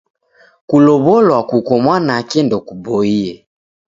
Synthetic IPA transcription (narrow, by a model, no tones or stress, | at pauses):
kulɔβɔlwakukɔmwanakɛndɔkubɔiɛ